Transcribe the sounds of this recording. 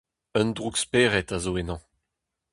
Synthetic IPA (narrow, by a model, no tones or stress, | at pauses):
œndʁukspeːʁɛtazoenɑ̃